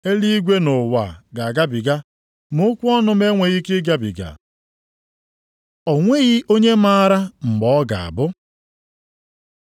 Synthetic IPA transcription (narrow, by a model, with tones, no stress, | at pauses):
e˦li˦i˦ɡʷe˦nʊ˨wa̰˨ɡa˨ɡa˦bi˨ɡa˦ | mʊ˦kʷʊ˦ɔ˦nʊ˦m˦e˦ŋʷe˨ɣi˦kɪ˦ɡa˦bḭ˨ɡa̰˨ | ɔ˨ŋʷe˦ɣi˦ʔo˦ɲe˦ma˦ɾa˦m̩˨ɡ͡bɔ˦ɡa̰˨a̰˨bʊ˦